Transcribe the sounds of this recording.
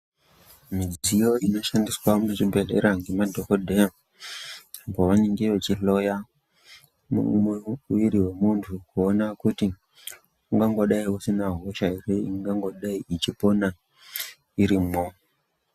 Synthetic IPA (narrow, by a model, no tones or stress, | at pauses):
mid͡zijo̞ino̞ʃandiswamut͡ʃibʱeɗe̞ɾaŋɡimadʱokodʱea | kaʋaneŋɡeʋet͡ʃiɬo̞ja | mṵumweuʋiɾiwe̞muntʰukuonakuti | uŋɡaŋɡoɗaiusinaɦoʃaireiŋɡaŋɡo̞ɗaiʔit͡ʃipo̞na | iɾimo